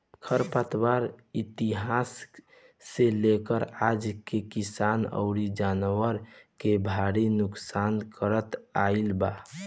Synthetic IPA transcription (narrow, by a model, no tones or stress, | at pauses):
kʰəɾpət̪waɾit̪iɦasː | elekəɾad͡ʒkekisanə̰ʊɾid͡ʒanwəɾkebʱaɾinuksankəɾət̪ailba